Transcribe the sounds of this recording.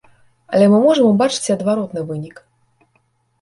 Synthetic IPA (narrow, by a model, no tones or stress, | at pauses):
ɐ̰lʲɛmɨmɔʐɨmbat͡ʂɨ̥t͡sʲɐd̪vaɾɔt̪nɨvɨnʲik